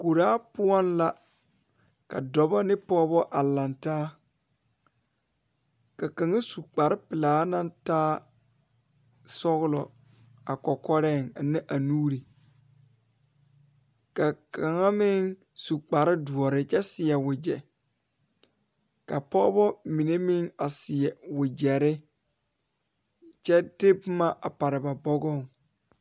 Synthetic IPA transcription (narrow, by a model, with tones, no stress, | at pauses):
ko˨ɾaː˦pʊ˦ɔ˦nla˦ | ka̰˨dɔ˨ba˦nɪ˦pɔː˦bɔ˦ʔa˨la˨ntaː˦ | ka˨ka˨ŋa˦su˨k͡pa˨ɾɪ˦pɪ˨laː˨˦na˦ntaː˦ | sɔ˦ɣʊ˦lɔ˨ | a˨kɔ˨kɔ˦ɾɛ˦˨ŋa˨nɪ˦ʔa˨nuː˦ɾi˨ | ka˨kʰa˨ŋa˦mɪ˦ŋ | su˨k͡pa˨ɾɪ˦du˨ɔ˨ɾɪ˦t͡ʃɛ˦sɪ˨jɛ˨wʊ˨d͡ʒɛ˨ | ka˨pɔ˦bɔ˦mi˨ne˦mɪ˦ŋa˨sɪ˨jɛ˨wʊ˨d͡ʒɛ˨ɾɪ˦ | t͡ʃɛ˦dɪ˦bma˦ʔa˨pa˨ɾɪ˨ba˨bɔ˦ɡɔ˦˨ŋ